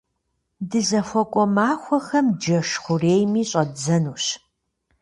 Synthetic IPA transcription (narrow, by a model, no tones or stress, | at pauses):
dɨzɐxʷɔkʷʼɔmaːxʷɔxɐmd͡ʒɐʃχʷʊreːjmiːɕʼɐdd͡zɐnuːɕ